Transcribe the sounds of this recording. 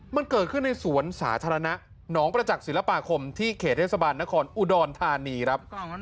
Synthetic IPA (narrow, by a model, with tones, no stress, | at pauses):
ma˧nkɤː˨˩t̪̚kʰɯ˥˩nːa˧jsu˩˦ənsaː˩˦t̪ʰaː˧ɾa˧na˦˥ | nɔː˦˥ŋpɾa˧t͡ɕa˨˩k̚si˨˩˦la˦˧paː˧kʰo˧mt̪ʰiː˥˩kʰeː˨˩t̪ʰːeː˥˩tsa˧baː˧nːa˦˥kʰɔː˧nʔuː˧dɔː˧nt̪ʰaː˧niː˧kʰɾa˦˥p̚